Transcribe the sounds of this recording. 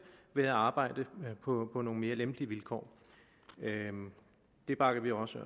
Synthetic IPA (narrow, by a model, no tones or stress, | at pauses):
ʋeæɑ̈ːb̥ɑ̈ɪ̰d̥əpʰɒ̽pʰɒ̽no̝ːŋn̩me̝ːɐlemb̥liʋilkʰɒ̰ː | d̥e̝b̥ɑ̈ːkʰæʋiɒsø